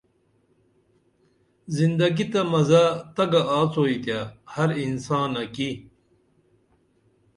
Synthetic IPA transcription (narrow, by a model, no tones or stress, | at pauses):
zind̪ɐɡit̪ɐmɐzat̪ɐɡaaːt͡soːit̪jaːhɐɾinsãːnːɐki